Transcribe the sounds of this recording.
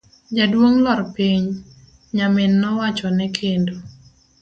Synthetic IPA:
d͡ʒadwoŋlɔrpiɲ | ɲamɪnːɔwat͡ʃɔnɛkʰendo

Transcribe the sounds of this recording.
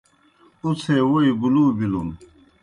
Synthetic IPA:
ut͡sʰewoibulubilum

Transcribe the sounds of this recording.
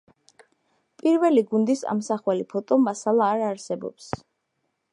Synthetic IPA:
pʼiɾvɛliɡund̪isa̰msaχwɛlipʰɔt̪ʼɔmasalˠaːɾaɾsɛbɔ̰ps

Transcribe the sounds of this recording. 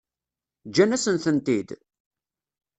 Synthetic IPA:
d͡ʒːænæsənθənt̪id̪

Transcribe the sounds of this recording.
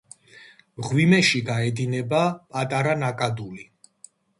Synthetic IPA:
mʁwimɛʃiɡaɛd̪inɛbapʼat̪ʼaɾanakʼad̪uli

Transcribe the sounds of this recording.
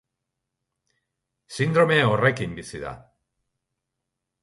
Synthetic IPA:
sind̪ɾo̞me̞o̞re̞kimbisiða̰

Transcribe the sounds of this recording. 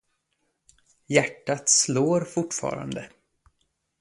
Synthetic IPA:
jæʈːat̪sloːɾfʊʈːfɑ̰ːɾa̰nd̪ə

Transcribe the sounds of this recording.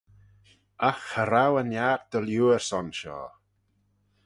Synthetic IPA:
axəɾawənjaːɾd̪̥əljuːəɹsɔnʃɔ̰ː

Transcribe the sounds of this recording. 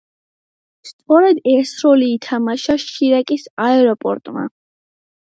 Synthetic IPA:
st̪sʼɔɾɛd̪ɛɾsɾɔliːt̪ʰamaʃaʃiɾakʼisaɛɾɔpʼɔ̰ɾt̪ʼma̰

